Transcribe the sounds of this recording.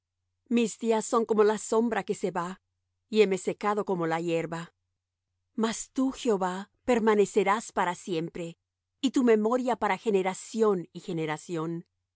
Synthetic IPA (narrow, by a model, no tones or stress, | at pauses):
mizd̪iasːo̞ŋko̞mo̞laso̞mbɾake̞se̞βa | ie̞me̞se̞kaðo̞ko̞mo̞laje̞ɾβa | mast̪uxeo̞βa | pe̞ɾmane̞se̞ɾaspaɾasje̞mpɾe̞ | it̪ume̞mo̞ɾjapaɾaxe̞ne̞ɾasjo̞nixe̞neɾasjo̞n